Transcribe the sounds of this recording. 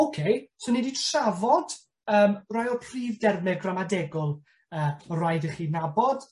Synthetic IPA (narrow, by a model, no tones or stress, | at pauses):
owkʰejsoniditravɔd̥ | əːmrɔjɔpʰriːvdɛrmɛɡramadɛɡʊlˠ | əːrajdəχiːnabɔd̥